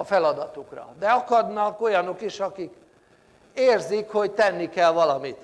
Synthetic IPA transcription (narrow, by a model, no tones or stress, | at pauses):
ɒfɛlɒd̪ɒt̪ukrɒ̰d̪ɛɒkɒd̪nɒko̞jɒno̞kiʃɒkik | eːrzikho̞ɟt̪ɛnːikɛlvɒlɒmit̪